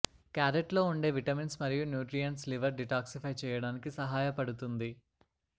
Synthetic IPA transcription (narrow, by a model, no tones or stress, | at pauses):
kaːɾeʈlo̞ːuɳɖe̞ːʋiʈɐminsmɐɾijunjuːʈɾijɐnsliʋɐɾɖiʈaːksipʰɐjt͡ʃɛːjɐɽaːnikisɐɦaːjɐpɐɽut̪und̪i